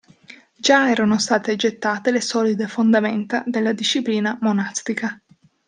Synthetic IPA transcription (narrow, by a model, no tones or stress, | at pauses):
d͡ʒaɛːɾanost̪aːt̪ed͡ʒet̪ːaːt̪elesɔːlid̪efond̪ament̪ad̪elːad̪iʃːipliːnamonast̪ika